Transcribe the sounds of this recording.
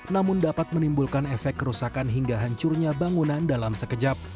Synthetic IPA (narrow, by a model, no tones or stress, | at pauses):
namʊndapat̪̚mənimbulkanɛfɛkːəɾusakanɦiŋɡaɦaɲt͡ʃʊrɲabaŋunandalamsəkəd͡ʒap̚